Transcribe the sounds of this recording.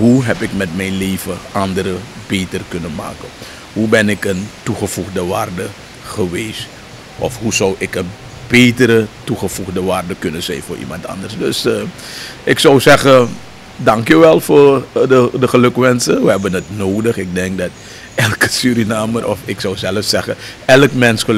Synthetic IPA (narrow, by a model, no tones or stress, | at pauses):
ɦuɦɛpɪkmɛtmɛjnlejvəʔɑndəɾəbeːtərkɵnənma̰ːkən | ɦubɛnɪkəntuχəfuχdəʋaːrdə | χəʋeːs | ʔɔ̰fɦuzɔwʔɪkən | b̥ejtəɾətuχəfuχdəʋaːrdəkɵnənzɛ̰jnfʊːɹʔḭmɑntɑ̰ndərsdøs | ʔɪksɔwzɛχə | dɑŋkjyʋɛlˠfʊːrədəχəlɵkʋɛnsənʋəɦɛbənətnoːdəχɪk̚dɛŋk̚dɑt | ʔɛlˠkəsyɾinaːmərʔɔ̰fɪksɔwzɛləfsɛχəɛləkmɛnsχə